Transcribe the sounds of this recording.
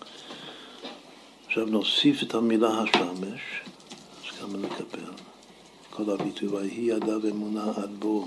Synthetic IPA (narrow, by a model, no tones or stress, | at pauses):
aχʃavnosifethamilahaʃameʃ | askamanekʰabel | kʰolhabit̪ʰuvahiadavemunaʔad̪bo